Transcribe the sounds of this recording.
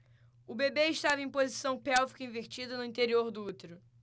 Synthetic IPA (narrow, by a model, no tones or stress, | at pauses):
ʊbebeɪʃt̪avɐẽj̃pozisɐ̃w̃pɛwfi̥kɐĩveɾt͡ʃid̪ɐnʊĩt̪eɾioɾd̪ʊut̪eɾʊ